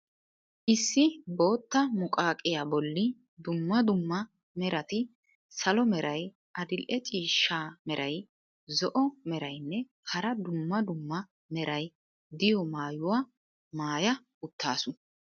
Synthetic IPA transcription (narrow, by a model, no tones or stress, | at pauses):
ʔɪsːɪbo̞ːt̪ːɐmʊkʼaːkʼːɪjaːbɔlːɪ | d̪ʊmːɐd̪ʊmːɐ | mɛɾɐt̪ɪ | sɐlɔmɛɾɐj | ʔɐd̪ɪlʔɛt͡ʃʼiːʃːaːmɛɾʔɐj | zɔʔɔmɛɾɐjnːɛ | hɐɾɐd̪ʊmːɐd̪ʊmːɐ | mɛɾɐj | d̪ɪjɔmaːjʊwaː | maːjɐ | ʊt̪ʰːa̰ːsʊ